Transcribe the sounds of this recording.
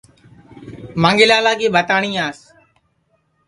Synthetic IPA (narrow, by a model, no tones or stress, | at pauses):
mãːŋɡɪːlaːlaːkeːbʱət̪aːɳĩːaːs